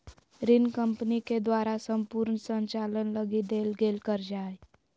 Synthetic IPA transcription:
ɾinkəmpniked̪waɾasəmpuɾnəsənt͡ʃalənləɡid̪elɡelkəɾd͡ʒaj

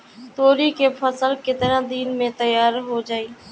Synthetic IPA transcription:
t̪oːɾikepʰəsəlkɪt̪ɪɾãːd̪iːnmẽt̪ɐjaːɾɦod͡ʒaːiː

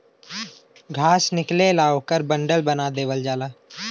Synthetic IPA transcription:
ɡʱaːsnɪklelaːokəɾbə̃ɳɖəlbənad̪eːʋəld͡ʒaːlaː

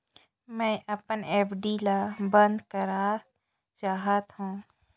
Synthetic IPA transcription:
mɛ̃ːʔɐpəneːpʰɖilabə̃nd̪kəɾa | t͡ʃaːɦət̪ɦũː

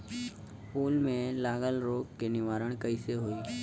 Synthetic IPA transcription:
puːlmẽlaːɠəlɾoːkːenɪʋaːɾəɽ̃kəiseɦoiː

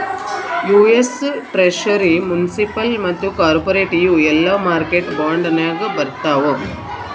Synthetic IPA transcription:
juːesʈɾeʂɐɾimunisipɐlmɐt̪ːukaːɾpoɾeːʈijuɛlːaːmaːɾkeʈbaːɳɖɐnaːɡɐbɐɾt̪aːʋo

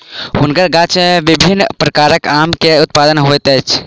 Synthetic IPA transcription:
ɦunkəɾɡat͡ʃmeʋibʱinːpɾəkaɾəkamkeut̪̚pad̪ənɦojt̪ɛjt͡ʃʰ

